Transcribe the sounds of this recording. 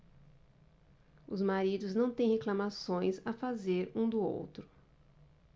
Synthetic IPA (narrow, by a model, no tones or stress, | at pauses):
ʊzmaɾid̪ʊznɐ̃w̃t̪ẽj̃heklamasõj̃safazeɾũd̪ʊo̰wt̪ɾʊ